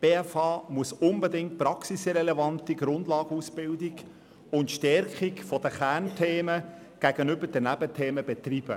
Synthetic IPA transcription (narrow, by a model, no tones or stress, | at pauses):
b̥eːɛfɑːmuəsʊnbɛdɪŋt̚prɑksisɪɾɛlɛvɑntiɡɾʊndlɑːɡəusb̥ɪldiɡ | ʊntʃtɛɾkikfɔd̥əχæntʰeːmə | ɡ̥æɡənʏbəɾd̥ənæbətʰeːməbɛtrib̥ə